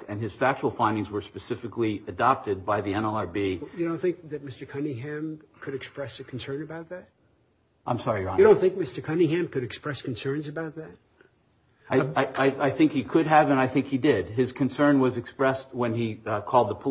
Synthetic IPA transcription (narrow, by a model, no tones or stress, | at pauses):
ɨ̃nɨz̥fæk̚t͡ʃul̩ˠfãɪ̃ndɪ̃ŋzwə˞spɨsɪfɨkliɨdɑp̚tɨd̚baɪðiɛ̃nɛlˠɑɹbijɨdõʊ̃nθɪ̃ŋk̚ðɨt̚mɪstə˞kʰʌ̃nɪ̃ŋɦæ̃mkʰɨɾɨkspɹɛsɨkʰn̩sɜ̃˞nɨbaʊt̪̚ðæt̚ | ʔã̰ɪ̃msɑɹiɹɑ̃ɾõʊ̃nθɪ̃ŋk̚mɪstə˞kʰʌ̃nĩŋɦæ̃mkɨɾɨkspɹɛskn̩sɜ̃˞nzɨbaʊt̪̚ðæt̚ | aɪaɪaɪaɪθɪ̃ŋkhikʰɨd̚əvɨ̃naɪθɪ̃ŋkhidɪd̚ɨz̥kʰɨ̃nsɜ̃˞nwʌzɨkspɹɛst̚wə̃nikʰɔlˠd̪̚ðəpʰ